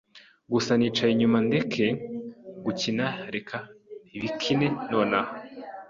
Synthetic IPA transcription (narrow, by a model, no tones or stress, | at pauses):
ɡusaniːt͡ʃaiɲumande̞kʰe̞ | ɡucinaɾe̞kʰaiβikʰine̞no̞ːnaho